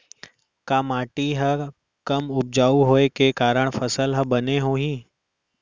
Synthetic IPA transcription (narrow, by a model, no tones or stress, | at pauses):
kaːmaːʈiɦə | kəmʊb̚d͡ʒaːuɦoːekekaːɾəɽ̃fʰəsəlɦəbəneɦoːɦiː